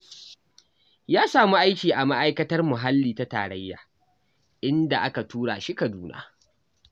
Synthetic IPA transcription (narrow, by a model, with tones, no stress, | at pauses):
jaː˦saː˨mu˦ʔa˦jkʲiː˨ʔa˨ma˦ʔa˦jkɐ˦tɐ˦rmʊ˨ɦa˦lːiː˨ta˦ta̰ː˨ɽɐ˦jːa̰ː˨ | ʔɪ˦nda˨ʔa˦ka˨tuː˦ɽa̰ː˨ʃi˦ka˨duː˦na̰ː˦